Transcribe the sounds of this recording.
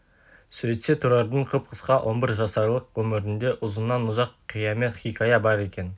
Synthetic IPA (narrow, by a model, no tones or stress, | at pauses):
sɵjt̪se̞t̪ʰuɾɑɾd̪əɴqʰəp̚qʰəsqɑwʔo̞nbɪɾʒɑsɑɾlˠəqwɵmɪɾɪnd̪e̞ʔʊzənːɑnʊzɑqʰːijɑme̞t̪χijkʰajɑbɑɾe̞kʲe̞n